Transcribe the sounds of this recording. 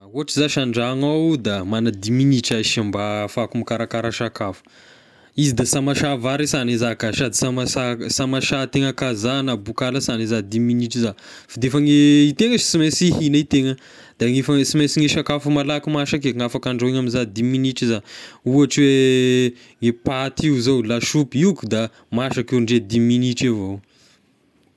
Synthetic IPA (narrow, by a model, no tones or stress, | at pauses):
auaʈ͡ʂizaʃaɳɖ͡ʐaŋawd̪amanad̪iminiʈ͡ʂaʃambafakumikaɾakaɾaʃakafu̥ | izid̪asamaʃavaɾisanezakaʃad̪isamasasamaʃat̪eŋəkazanabukaləsanezad̪iminiʈ͡ʂizafid̪efəŋeit̪eŋəz̥t͡simesihinait̪eŋə | d̪̥aŋifasimesiŋeʃakafumalakimaʃak̬eŋafakaɳɖ͡ʐoeŋaminzad̪iminiʈ͡ʂizauaʈ͡ʂwe | ŋepat̪iuzowlaʃupiukud̪a | maʃakeɳɖ͡ʐed̪iminiʈ͡ʂevo